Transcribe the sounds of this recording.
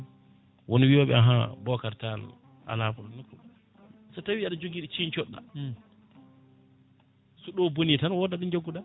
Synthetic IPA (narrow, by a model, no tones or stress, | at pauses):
wʔonwiwɔɓɛ̰aɦabɔkaɾtal̰ | ʔa̰lafɔlnukːu | satawiːaɗad͡ʒoɡiːɗit͡ʃint͡ʃɔɗːa̰ | suɗɔbonitanwɔdaɗund͡ʒaɡːuɗa